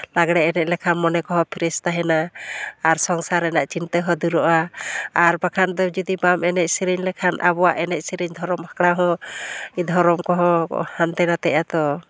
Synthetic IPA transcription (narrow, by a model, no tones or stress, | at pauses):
laɡɽɛʔɛnɛc̪̚ˀlɛkʰanmɔnɛkɔɦɔ̃pʰiɾɛst̪aɦɛnaː | ɾsɔŋsaɾɛnaʔt͡ʃint̪əɦəd̪uɾɔʔaː | ɾbakʰand̪ɔd͡ʒud̪ibamɛnɛc̚siɾiɲlɛkʰanʔa̰bɔwaʔɛnɛc̪̚ˀsiɾiɲd̪ʱɔɾɔmakɽaɦɔ̃id̪ʱɔɾɔmkɔɦɔ̃hant̪ɛnat̪ɛʔat̪ɔ